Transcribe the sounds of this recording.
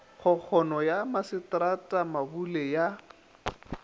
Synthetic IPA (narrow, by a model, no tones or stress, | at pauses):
χʊk͡xʰɔnɔjamasɪtratʼamabuleja